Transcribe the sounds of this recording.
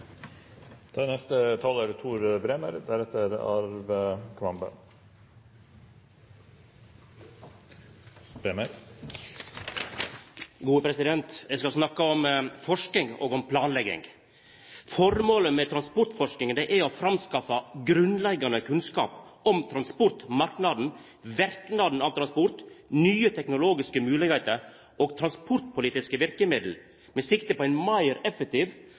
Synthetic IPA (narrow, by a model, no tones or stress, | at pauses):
t̪ʰɑːnɛst̪ət̪ʰɑːləɾt̪ʰuːɾbɾeːməɾd̪æɾɛt̪ːəɾɑ̰ɾʋəkʰʋɑmbə̰ | bɾeːməɾ | ɡuːəpʰɾɛsɪd̪ɛnt̪jɛɪskɑlsnɑkːɑɔmfɔʂkɪŋo̰ːɡɔmpʰlɑːnlɛɡɪ̰ŋ | fɔɾmoːləmɛt̪ʰɾɑnspʊɾt̪fɔʂkɪŋənd̪ɛʔæɔfɾɑmskɑfɑɡɾʉnlɛɡːɑnəkʰʉnskɑ̰ːpɔmt̪ʰɾɑnspɔɾt̪mɑɾknɑd̪n̩ | ʋæɾknɑd̪n̩ɑːʋt̪ʰɾɑnspʊɾt̪nyːət̪ʰɛknʊloːɡɪskəmʉːlɪɡhɛɪt̪əɾ | ʔoːɡt̪ʰɾɑnspʰʊɾt̪pʰʊliːt̪ɪskəʋɪɾkəmɪd̪l̩ | mɛsɪkt̪əpɔɛɪnmɑɪɾɛfɛk̚t̪iːʋ